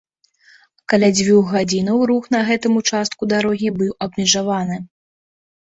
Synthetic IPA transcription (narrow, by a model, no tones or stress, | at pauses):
kalʲad͡zʲvʲuɣɣad͡zʲinɐwɾuxnɐɣɛt̪ɨmut͡ʂast̪̚kud̪aɾɔɣʲibɨwɐbmʲɛʐavanɨ